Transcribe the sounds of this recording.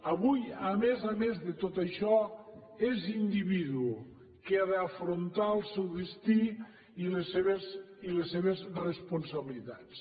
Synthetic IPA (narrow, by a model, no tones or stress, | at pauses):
ɐβujamezamezðet̪ot̪aʃɔ | ezind̪iβiðuu | keaðeafɾont̪alˠsɛwðest̪i | ilesːeβez | ilesːeβezrespunsaβilit̪at͡s